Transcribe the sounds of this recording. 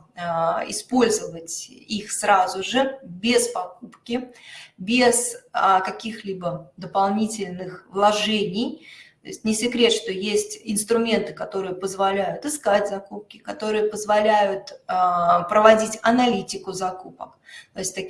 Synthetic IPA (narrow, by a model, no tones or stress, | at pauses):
ɪ̰spo̞lʲzəvətʲixsɾazʊʐɨbʲɪspɐkupkʲɪbʲɪszkɐkʲixlʲibəd̪əpɐlˠnʲitʲɪlʲnɨxvlˠɐʐɛnʲɪjt̪o̰ɪsʲtʲnʲɪsʲɪkɾʲe̞t̪ʂt̪o̞jesʲtʲɪnst̪ɾʊmʲe̞nt̪ɨ̥kɐt̪o̞ɾɨjəpəzvɐlʲæjʊt̪ɨskatʲzɐkup̚kʲɪkɐt̪o̞ɾɨjəpəzvɐlʲæjʊt̪ː | pɾəvɐdʲitʲɐnɐlʲitʲɪkʊzɐkupəkt̪oɪsʲtʲt̪ɐ